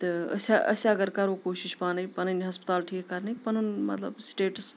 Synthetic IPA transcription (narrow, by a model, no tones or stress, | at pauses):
t̪ɨɐ̰saʔɐ̰saɐɡɐɾkɐɾokoːʃiʃpanɨjpɐnɐniɦɐspt̪aːlʈʰiːkkɐɾnɐjpɐnonmɐ̰t̪lɐ̰bsʈeːʈs